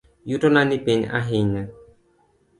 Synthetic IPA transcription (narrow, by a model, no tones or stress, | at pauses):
jutɔnanipeɲa̰ɦiɲa